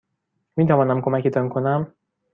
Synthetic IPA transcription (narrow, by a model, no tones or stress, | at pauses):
mit̪ɒvɒnɒmko̞mɛkit̪ɒŋkʰonæm